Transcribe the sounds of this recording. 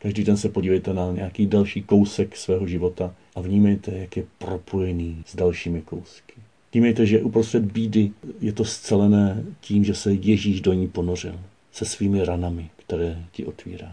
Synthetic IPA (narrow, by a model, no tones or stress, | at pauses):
kaʒdiːdɛnsɛpoɟiːvɛjt̪ɛnaɲɛjakiːdalʃiːko̞wsɛksvɛːɦo̞ʒɪvo̞t̪aʔavɲiːmɛjt̪ɛjakjɛpɾo̞pʰo̞jɛniːz̥dalʃiːmɪko̞wskɪ̥ | vɲiːmɛjt̪ɛʒɛʔupɾost̪r̥ɛd̪biːdɪjɛt̪o̞st͡sɛlɛnɛːciːmʒɛsɛjɛʒiːʃdoɲiːpo̞nor̝ɪ̰l | sɛsviːmɪɾanamɪkt̪ɛɾɛːcɪʔo̞t̪vḭːɾaː